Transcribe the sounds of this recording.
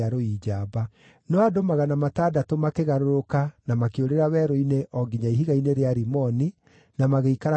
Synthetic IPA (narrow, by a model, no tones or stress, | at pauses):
aɾoiːd͡ʒaːba | nɔadomaɣanamataːdatomakeɣaɾoɾokanamakeoɾeɾawɛːɾoineʔɔɡiɲaiɦiɣaineɾeaɾimɔni | namaɣeikaɾa